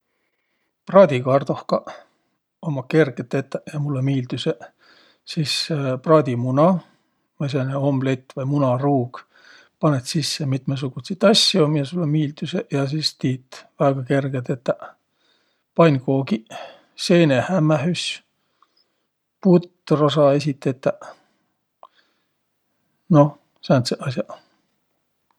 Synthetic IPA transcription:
prɑːd̪̥ʲikɑrd̪ohkɑ | omɑke̞rɡ̥et̪ːˑet̪ːˑæjɑmulːemiːld̪yse | siːsprɑːd̪̥ʲimunɑ | mɑs̬eneho̞mblet̪ːˑvɑjmunɑruːɡ̥ | pɑnet̪sisːemit̪mes̬uɡ̥ut̪sit̪ːˑɑsʲjomjɑsulːemiːld̪ysejɑs̬iːst̪iːt̪ːvæːɡ̥ɑke̞rɡ̥et̪et̪ːæ | pɑnʲkoːɡi | se̞ːnehæmːæɦysʲ | put̪ːrosɑe̞sʲit̪ːˑet̪ːˑæ | no̞ | seɑnt̪seʔɑsjɑ

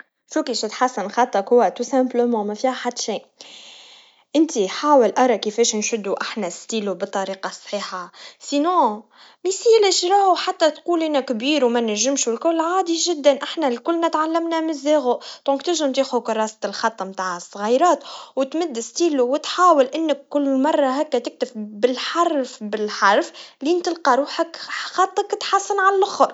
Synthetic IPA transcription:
fukiʃɪt̪ħasːənxɑt̪ˤːɑkhʊwːæt̪usæ̃mbləmɑ̃ːmɛfihaħad̪ʃiː | ʔɪnt̪iħaːwəlʔɑɾˤɑkifɛːʃnʃʊd̪ːuʔaħnæst̪iːlubət̪ˤːɑɾiːqɑsˤħiːħasinõː | misilɪʃɾˤɑʕuħat̪ːæt̪quːlʔɪnækbiːɾwmænæʒːɪmʃulkʊlʕaːd̪iʒɪd̪ːænʔaħnælkʊlːmæt̪ʕalːæmnæmɪzːɛːɣʊʔd̪̥ɔ̃ŋkt̪ɪʒɪmt̪iːxukʊrˤːɑːst̪ɪlxɑt̪ˤːmt̪aːʕəsˤːɣɑjɾˤɑːt̪wɪt̪mɪd̪ːɪst̪iːluwɪt̪ħaːwɪlʔɪnːɪkːʊlːmɑrˤːɑɦæːkːæt̪ɪk̚t̪ɪfbɪlħɑɾˤfbɪlħɑɾˤflint̪ɪlqɑɾˤuːħakxɑt̪ˤːəkːt̪ħasːənʕalælʔʊxɾˤ

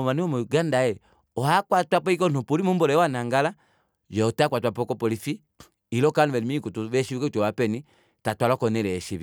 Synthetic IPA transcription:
maniɔmuɡandajɛ | ɔhakwatwapɔikɔnupulimumbɔlɛjɔwanaŋɡala | jɔɔtakwatwapɔikɔpɔlifi | ilɔkanuβɛlimikutuβɛʃiukɛutɔwapɛni | tatwalɔkɔnɛlɛɛʃiβi

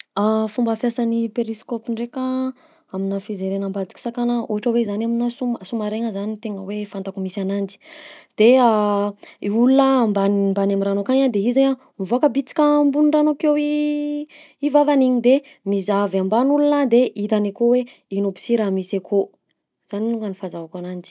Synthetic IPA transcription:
afumbəafjasanipeɾiskopiɳɖ͡ʐeka | aminəfizeɾenambad̪i̥kʲi̥sakanəuaʈ͡ʂəwezanaminəsuməsumaɾeŋəzanit̪eŋə̰wefant̪akumisanand͡ʒi̥d̪̥ea | iulunəmbanmbanamiɾanokaɲad̪eizeɲa | mivoakəbit͡si̥kʲəmbunuɳɖ͡ʐanokewi | ivavaniɲid̪e | mizavambanulunəd̪eʔit̪anekowe | inopi̥siɾamisakʰo | z̥aniluŋɡənifazavakanand͡ʒi̥

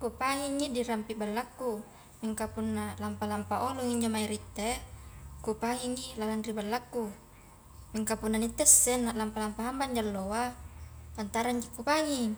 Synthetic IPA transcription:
kupaɦiŋːidiɾampibalːakːu | miŋkapunːalampalampaʔoloŋiɲd͡ʒomaiɾit̪ːe | kupaɦiŋːilalanribalːakːu | miŋkapunːanit̪ːɛsːɛnːaʔlampalampaɦambaɲd͡ʒalːowat̪ant̪aɾaɲd͡ʒikːupaŋiŋ

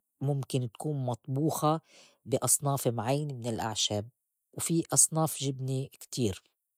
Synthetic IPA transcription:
mʊmkɪnt̪ḁkuːnmɑt̪ˤbuːxa | bɪʔɑsˤnɑːfmʕajːanmɪnɪlʔa̰ʕʃab̚ | wfiʔɑsˤnɑːfʒɪbnikt̪iːɾ

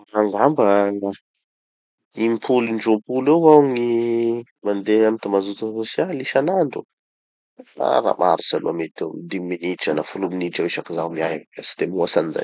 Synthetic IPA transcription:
aŋɡambəŋa | impʰulinɖ͡ʐompulewwaŋi | mand̪eamit̪amazut̪uosialiʃanaɳɖ͡ʐu | a̰ɾa̰ma̰ɾisalṵamet̪umid̪iminiʈ͡ʂanafuluminiʈ͡ʂawiʃakizawmiajasi̥d̪emuasaniza̰j

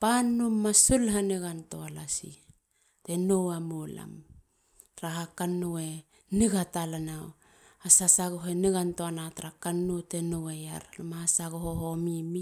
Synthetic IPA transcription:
panːumːasulɦaneɡantoalasḭ | tenowamola̰m | tɾaɦakanːue | niɡatalanaw | asasaɡoɦeneɡantoanatɾakanːutenoweja̰ɾlomasaɡoɦoɦomimi

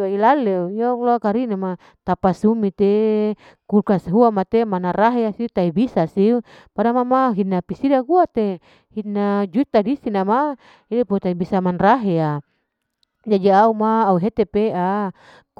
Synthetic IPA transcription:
ailalejalakaɾinama | t̪apasumit̪e | kulkasɦuamat̪emanaɾaɦeasiut̪aibisasiu | padamamaɦinapisidakuat̪e | hinad͡ʒut̪adisinama | idiput̪aibisamanraɦea | d͡ʒadiaumaːuɦet̪epea

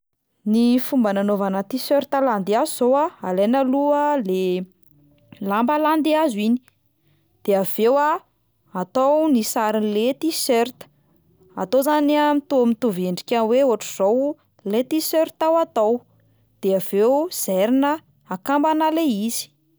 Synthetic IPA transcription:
nifumbananovanət̪isøɾt̪aland̪iazuzowaalejnəluəle | lambaland̪iazini̥ | d̪̥eav̥ewa | at̪awnisaɾinlet̪isøɾt̪ə̥ | a̰t̪ozaniamit̪umit̪uveɳɖ͡ʐikʲaweoʈ͡ʂuz̥ow | let̪isøɾt̪awat̪aw | d̪̥eav̥ewz̥ɛɾinə | akambanəleizi̥

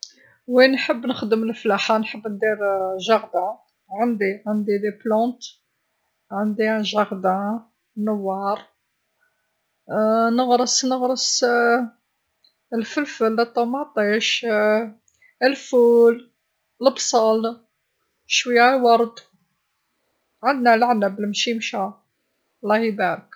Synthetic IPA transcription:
winħəbːnəxd̪əməlflaħanħəbːnd̪iɾʒɑɣd̪a | ʕənd̪iʕənd̪id̪eplɑ̃t̪ | ʕənd̪iʒɑɣd̪a | nəwːɑɾˤ | nəɣɾəsnəɣɾəs | əlfəlfəlːæt̪ːɑmaʕt̪ˤiʃ | əlful | ləbsˤɑl | ʃwəjːæwɑɾˤd̪ | ʕənd̪nælaʕnəbəlmʃimʃæ | lːɑhibæɾək

